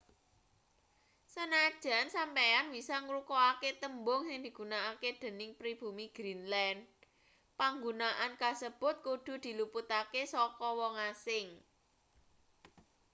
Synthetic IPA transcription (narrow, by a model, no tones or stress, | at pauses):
sənad̥ʒ̥a̤nsampeanwisaŋɾukɔaket̪əmbʊŋsɪŋd̪̥i̤ɡ̥unaaked̪̥ə̤nɪŋpɾib̥ṳmiɡ̥ɾinlɛnd | paŋɡunaʔankasəb̥ʊ̤t̪̚kud̪̥ṳd̪̥i̤luput̪akesɔkɔwɔŋasɪŋ